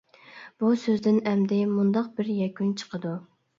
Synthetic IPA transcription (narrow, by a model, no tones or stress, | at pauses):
b̥usøzd̪ɪnɛmd̪ɪmund̪ɑq̚bɪɾjɛkʲynt͡ʃʰə̥qʰəd̪u